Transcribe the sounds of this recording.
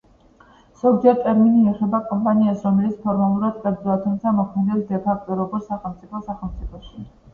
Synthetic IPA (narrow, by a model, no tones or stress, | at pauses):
z̥ɔɡd͡ʒɛɾt̪ʼɛɾminiɛχɛbakʼɔmpʼaniasɾɔmɛlit̪spʰɔɾmalˠuɾad̪qʼɛɾd̪zɔat̪ʰumt̪sʰamɔkʰmɛd̪ɛld̪ɛpʰakʰt̪ʼɔɾɔɡuɾsaχɛlˠmt̪sʼipʰɔsaχɛlˠmt̪sʼipʰɔʃi